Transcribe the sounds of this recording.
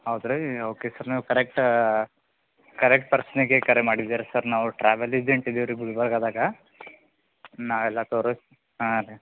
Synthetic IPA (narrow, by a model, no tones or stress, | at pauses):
ɐwd̪ɾeoːkesaɾnaːʋukɐɾek̚ʈ | kɐɾek̚ʈ̚pɐɾsniɡekɐɾemaːɽid̪aːɾesaɾnaːʋuʈɾaːʋelid͡ʒeɳʈid̪eʋɐɾiɡeuɽbɐɾɡaːd̪aːɡɐ | naːʋɛlːat̪oːɾos | aɾ